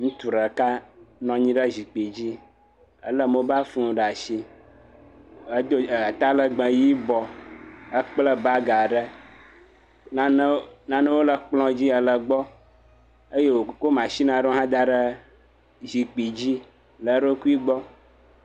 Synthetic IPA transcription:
ŋ̩̃˦t̪u˨ɖə˨ka˦nɔ̃˨ɲĩ˦ɖə˦zi˨k͡pi˨d͡ʑi˦ | ə̰˦lə˦mə˦ba˦fu˦ũ˨ɖa˨ʃi˦ | ə˦d̪o˦˨a˨t̪a˦lə˨ɡ͡bə˨ji˦bɔ˨ə˦k͡plə˦ba˦ɡa˨ɖə˦ | nã˦nə̃˦wo˦lə˨k͡plɔ̃˦d͡ʑi˦ə˨lə˨ɡ͡bɔ˦ | ə˦je˦wo˨˦ko˦mã˨ʃi˦nã˨ɖo˦ɦã˦d̪a˦ɖə˦ | zi˨k͡pi˨d͡ʑi˦ | lə˨ɖo˦ku˦i˦ɡ͡bɔ˦

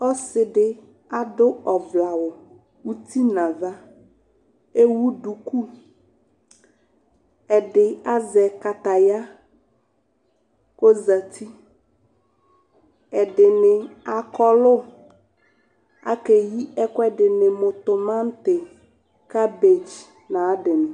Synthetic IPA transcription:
ɔ˦sɪ˨ɖɪ˦ | a˨dʊ˦ɔ˨vla˨wʊ˨ | wu˦t̪i˦nã˨va˦ | e˦wu˦ɖu˨ku˦ | ɛ˨ɖɪ˨a˦zɛ˨ka˨t̪a˨ja˦ | ko˦za˨t̪ʰi˦ | ɛ˨ɖɪ˨nɪ˨a˨kɔ˦lʊ˦ | a̰˦ke˨ji˦ɛ˦kʊ˦ɛ˦ɖɪ˨nɪ˨mʊ˨t̪ʊ˨mã˦n˦t̪ɪ˨ | ka˦be˨d͡ʒ | nã˨˦dɪ˨nʊ̃˨

